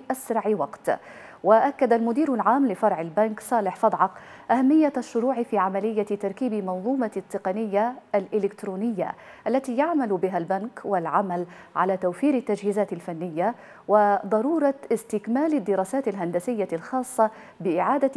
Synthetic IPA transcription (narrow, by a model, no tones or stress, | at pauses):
ʔasɾˤɑʕwɑqt̪ | waʔakːad̪almʊd̪iːɾʊlʕaːmlɪfɑɾˤʕɪlbanksˤɑːlɪħfɑd̪ˤʕɑq | ʔahamːɪjːaaʃːʊɾuːʕɪfiːʕamalɪjːat̪ɑɾˤkiːbɪmɑnðˤuːmɑt̪ːɪqɑnɪjːaalʔɪlɪkt̪ɾuːnɪjːa̰ʔalːat̪iːjaʕmalʊbɪɦalbankwalʕamal | ʕa̰laːt̪awfiːɾɪt̪ːad͡ʒhiːzaːt̪ɪlfanːɪjːa | wɪd̪ˤɑɾuːɾˤɑɪst̪ɪkmaːlɪd̪ːɪɾɑːsaːt̪ɪlɦand̪asɪjːalxɑːsˤːɑ | bɪʔɪʕaːd̪a